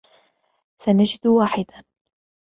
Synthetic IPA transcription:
sanad͡ʒɪd̪waːħɪd̪a

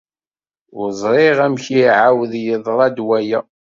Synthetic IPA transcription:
ɾzˤɾˤɪʁæmçiʕawðjəðˤɾˤɑd̪wæjæ

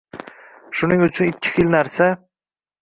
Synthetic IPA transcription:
ʃʊnɪŋʊt͡ʃʰʊnɪkʲʰːɪ̥xɪlnaɾsa

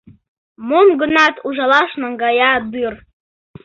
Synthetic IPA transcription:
momɡɤ̆nɑt̪uʒɑlˠɑʃnɤ̆ŋɡɑjɑd̪ɯr

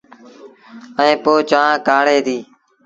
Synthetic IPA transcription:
əẽːpoːt͡ʃaːãːkaːɽeːt̪iː

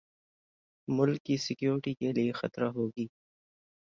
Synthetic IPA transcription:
mʊlkːisɪkjoːɾʈikelijexɐt̪ɾaɦoːɡiː

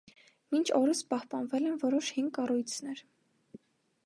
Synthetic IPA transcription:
mint͡ʃʰɔɾəspɑhpɑnvɛlɛnvɔɾɔʃhiŋkɑrujt͡sʰnɛɾ

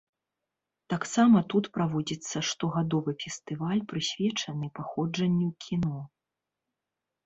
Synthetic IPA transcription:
t̪aksamɐt̪ut̪pɾavɔd͡zʲit̪sːɐʂt̪ɔɣad̪ɔvɨfʲɛst̪ɨvalʲpɾɨsʲvʲɛt͡ʂɐnɨpaxɔd͡ʐɐnʲːiwkʲʰinɔ

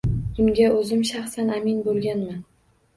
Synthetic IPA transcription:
d̪ʊmɡʲaɵzɪmʃaχsanamɪnbolˠɡʲanman

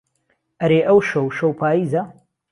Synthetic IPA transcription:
ʔɐɾeːʔɐwʃɐwʃowpʰaːjiːzɐ

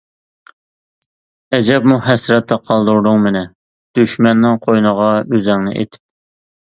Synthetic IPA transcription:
ɛd͡ʒɛp̚muɦɛsɾɛt̪ʰːɑqʰɑlˠd̪uɾd̪ʊŋmɪnɛ | d̪̥yʃmɛnːɪŋqʰojnəʁɑøzɛŋnɪ̰ʔḛt̪ʰɪ̥p̚

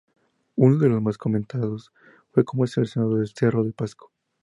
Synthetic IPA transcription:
unoðe̞lozmasko̞mẽnt̪að̞o̞s | fwe̞ko̞moeselesjonaðoðelse̞roðepasko̥

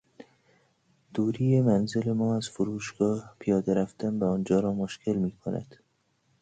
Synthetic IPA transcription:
d̪̥uːɾiːjemænzɪlemɒːæz̥fʊɾuːʃɡ̥ɒːhpʰijɒːd̪æɾæft̪anbæɔːnd͡ʒɒːɾɒːmʊʃkɪlmiːkʰʊna̰d̪̥

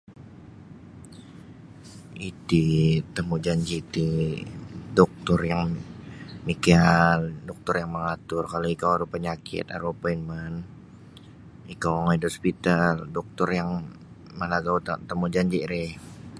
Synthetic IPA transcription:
ʔit̪it̪əmud͡ʒaɲd͡ʒit̪i | dɔk̚t̪ɔrjaŋ | mikaldɔk̚t̪ɔrjaŋməŋat̪ʊrkaloikawaɾupəɲakʰɪ̰t̪a̰ɾopainman | ikawaŋaidospit̪aldɔk̚t̪ɔrjaŋ | məlaɡaut̪t̪əmud͡ʒaɲd͡ʒiʔɾɛh

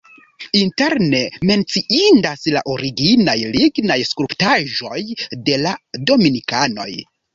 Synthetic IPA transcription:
inte̞ɾne̞me̞nt͡siindasla̰ʔo̞ɾiɡinajliɡnajskɾuptaʒo̞jde̞lado̞minikano̞̰j

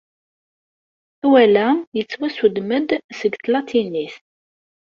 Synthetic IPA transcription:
æwælæjət͡sːwæsud̪məd̪səɡt̪lɑt̪ʰiniθ

